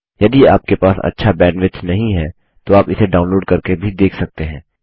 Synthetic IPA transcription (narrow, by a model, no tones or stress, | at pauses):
jɐd̪ia̰ːp̚kepaːsɐ̰tːʃʰabɛ̃ːɳɖʋɪt͡ʃnɐɦĩɦɛː | t̪oaːpɪseɖaːʊ̃nloːɖkɐɾkebʱid̪eːkʰsɐk̚t̪eɦɛ̃ː